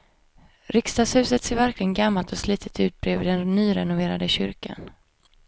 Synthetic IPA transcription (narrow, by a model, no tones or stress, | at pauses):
ɾɪkst̪ɑːshʉ̟ːsət̪seːɾvæɾklɪɡənɡamːalt̪ɔsliːt̪ʰə̥t̪ʰʉ̟ːt̪̚bɾeːvɪd̪ɛnnːyːɾɛnʊveːɾad̪əɕʏ̰ɾkʰa̰n